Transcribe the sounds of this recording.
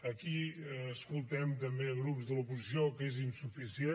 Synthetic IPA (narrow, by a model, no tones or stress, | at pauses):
əkiːskulˠt̪ɛmt̪əmbeɣɾupzðəlupuzisiokezinsufisie